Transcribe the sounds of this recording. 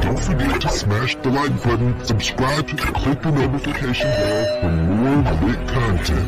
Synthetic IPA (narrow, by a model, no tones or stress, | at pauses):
d̥õʊ̃nfə˞ɡɛtʰɨsmæʃðəlaɪt̚b̥ʌʔn̩səb̥skɹaɪb̚tʰɨəkʰl̥ɪk̚ðənoʊɾɨfɨkʰeɪʃɨ̃nðəɹfə̃mɔɹlɪt̚kʰɑ̃ntʰɛ̰̃n